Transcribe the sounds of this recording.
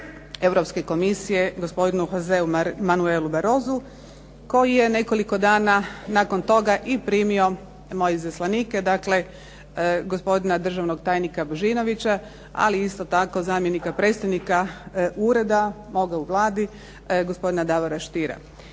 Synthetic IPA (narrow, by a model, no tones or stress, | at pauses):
e̞ʋɾo̞pske̞ko̞misije̞ɡospo̞d̪inuxozeumanueːlubaɾo̞ːzu | ko̞jije̞ne̞ko̞liko̞d̪aːnanako̞nt̪o̞ɡaʔipɾiːmio̞ | mo̞jeizaslanike̞d̪akle̞ | ɡo̞spo̞d̪inad̪r̩ʒaʋno̞ɡt̪aːjnikaboʒino̞ʋit͡ɕa | a̰liist̪o̞t̪ako̞zaːmjenikapɾe̞ːt̪st̪aʋnikauɾe̞d̪a | mo̞ɡauʋlˠaːd̪i | ɡospo̞d̪inad̪aʋoɾaʃt̪iɾa̰